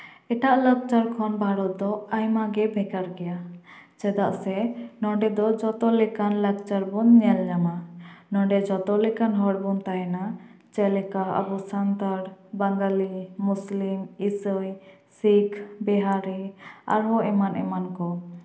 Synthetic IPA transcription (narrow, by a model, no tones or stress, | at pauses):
ɛʈaʔlək̚t͡ʃaɾkʰɔnbʱaɾɔt̪̚d̪ɔajmaɡɛbʱɛkaɾɡɛjat͡ʃɛd̪aʔsɛnɔɖɛd̪ɔd͡ʒɔt̪ɔlɛkanlək̚t͡ʃaɾbunɲɛld͡ʒamanɔɖɛd͡ʒɔt̪ɔlɛkanɦɔɽbunt̪aɦɛna | t͡ʃɛlɛkaə̰bɔsant̪aɾbaŋɡalimuslimisəj | sikʰbɛɦaɾia̰ɾɦɔɛmanʔɛmankɔ